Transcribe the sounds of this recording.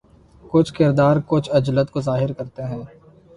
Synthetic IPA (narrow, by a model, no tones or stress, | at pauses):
kʊt͡ʃʰkɪɾd̪aːɾkʊt͡ʃʰɐd͡ʒlət̪kozaːɦɪɾkɐɾt̪eɦɛ̃ː